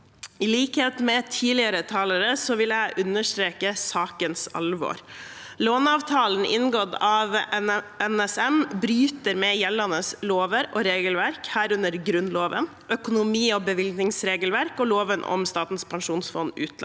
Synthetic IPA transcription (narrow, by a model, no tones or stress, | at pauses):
ɪliːkheːt̪mɛt̪ʰiːlɪəɾət̪ʰɑːləɾəsɔʋɪlæɪʔʉnəʂt̪ɾeːkəsɑːkənsɑ̰lʋo̰ːɾloːnɑːʋt̪ʰɑːln̩ʔɪ̰nɡɔd̪ɑʋɛnɛsɛnbɾyːt̪əɾmɛjɛlːɑnəsloːʋəɾɔɾeːɡəlʋæɾkhæːɾʉnəɾɡɾʉnloːʋə̰n | ʔœkʊnʊmiːɔbəʋɪld̪nɪŋsɾeːɡəlʋæɾkɔloːʋənʔɔ̰mst̪ɑːt̪n̩spʰɑŋʂuːnsfɔnːʉ̰ːt̪ɑ